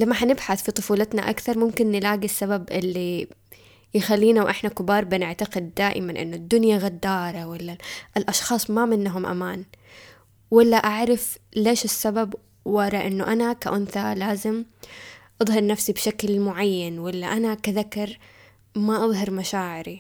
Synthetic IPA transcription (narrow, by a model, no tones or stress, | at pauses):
lamːaħanɪbħaθfit̪ˤʊfuːlɪt̪na̰ʔa̰kθɑɾˤmʊmkɪnːɪlaːɡisːababʔɪlːi | jɪxalːiːnawʔɪħnakɪbɑːɾˤbɪnɪʕt̪aqɪd̪ːaːʔɪ̰manʔɪ̰nːʊd̪ːʊnjaɣad̪ːɑːɾˤɑwalːaʔɪlʔɑʃxɑːsˤmamɪnːɦʊmʔa̰maːn | walːaʔaʕɾˤɪfleːʃɪsːabab | wɑɾˤɑʔɪnːʊʔanakaʔʊnθalaːzɪm | ʔɑðˤhɑɾˤnafsibʃaklmʊʕajːanwalːaʔanakaðakːɑɾˤ | maʔɑðˤɦɑɾˤmaʃaːʕɪɾi